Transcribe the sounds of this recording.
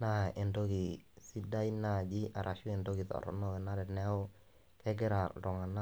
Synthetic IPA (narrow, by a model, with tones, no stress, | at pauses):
na˦e˨ndo˦ki˨si˦da˦i˦na˦˨d͡ʒi˦ʔa˨ɾʔa˨ʃu˦ɛ˨ndo˦ɡi˨ðɔ̰˨ɾɔ̰˨nɔ˦e˨na˦dɛ˨nɛ˦o˦ | kɛ˦ɡɛ˦ɾa˨ɾɔ˨ŋa˨na˦